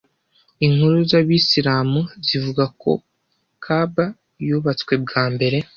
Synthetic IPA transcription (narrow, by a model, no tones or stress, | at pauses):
iŋhuɾuzaβisiɾaːmuzivuɡako̞̰ | kʰaba | juːβat͡skwe̞b̚ɡaːmbe̞ɾe̞